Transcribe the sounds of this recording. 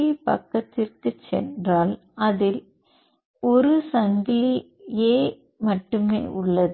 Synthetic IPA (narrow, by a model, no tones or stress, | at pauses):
ipɐ̰kːɐt̪ːɪrkɯt͡ʃːɛ̰ndraːl | ɐðɪl | ɔɾɯsɐŋɡɪli | eː | mɐʈːɯmḛːʔʊɭːɐð